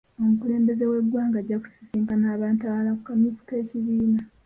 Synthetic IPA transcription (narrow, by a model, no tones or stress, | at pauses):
o̞mukule̞ːmbe̞ze̞we̞ɡwaːŋɡaɟːaku̥si̥siːmpanaːβaːntawalakukamikteːciβiːna